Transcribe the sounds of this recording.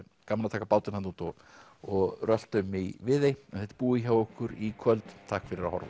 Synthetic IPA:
kamalat̪ʰaːkapaːwt̪ɪnhanuːnt̪ɔ | ɔɣrœl̥t̪ʏmːivɪðejɛnθɛht̪ɪ̥puːɪçawɔhkʏɾikʰvœlt̪t̪ʰaːhkfɪɾɪɾahɔ̰ɾvʏ

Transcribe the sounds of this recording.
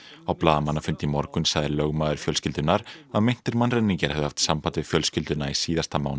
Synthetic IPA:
awplaːðamanːafʏnt̪ɪimɔɾkʏnsaɣðɪɾlœɣmaːðʏɾ̥fjœlscɪlt̪ʏnːaɾaðmejn̥t̪ɪɾmanrɛnːiɲcaɾ̥hɛvðʏhaft̪sampant̪vɪfjœlscɪlt̪ʏnaisiːðast̪ama̰wn

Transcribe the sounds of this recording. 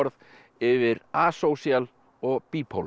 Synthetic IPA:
ɔɾð | ɪvɪɾaːsowsjal | ɔɣpiːpʰo̰w

